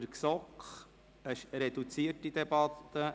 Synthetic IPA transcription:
ɾksɔkχ | əʃɾɛd̪ut͡siətid̪ɛbɑt̪ːə

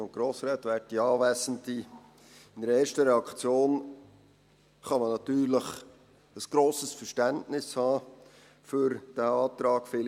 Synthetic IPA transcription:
ʊnt̚ɡ̥ɾoːsɾɛːt̪ʋæt̚diɑːvæsənti | ɪnɛɾəeːʃtəɾɛɑkt͡sjoːn | χɑmənɑtyːɾləχ | əsɡ̥ɾoːsəsfəʃtæntnɪshɑː | fyɾd̥æɑːt̪ɾɑːɡfɪl

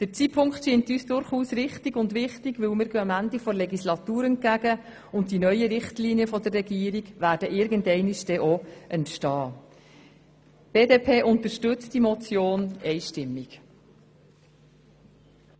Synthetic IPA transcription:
d̥əɾt͡sipʰʊŋktʃiːntyːsd̥ʊɾχuːsɾɪχtiɡʊndʋɪχtiɡʋɪlmɪːɾɡœɑmændifɔɾlɛɡislɑt̪uːɾɛnt̚ɡæɡə | ʊntdinœʏəɾɪχtliːniəfɔd̪ərːɛɡiːəɾiɡvæːɾd̥əʔɪɾɡəndɛɪnɪʃd̥ɛʔoʔɛntʃtɑː | b̥eːdeːpʰeːʔʊntəɾʃtʏt͡std̥imɔt͡sjoːnɛɪʃtɪmːiɡ̥

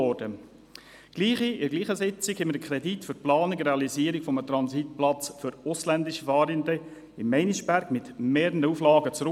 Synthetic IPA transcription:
ɔɾd̥ə | ɡ̥liːχiɪɾɡliːχəsɪt͡sɪkhɛmədəkʰɾɛditfʏɾplɑːnɪkɾeɑliziːəɾɪkfɔmət̪ɾɑnsit̪̚plɑt͡sfʏɾʊslænd̪ɪʃəfɑːɾinde | ɪmːɛɪniʃb̥æɾɡmɪt̪meːɾənəuːflɑːɡət͡sɾʊ

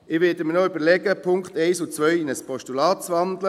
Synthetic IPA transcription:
ɪʋɪːdəmənoybəlɛɡəpʰʊŋkχtɛɪsʊt͡sʋœʏɪnəspɔʃtulɑːtt͡sʋɑnd̪lə

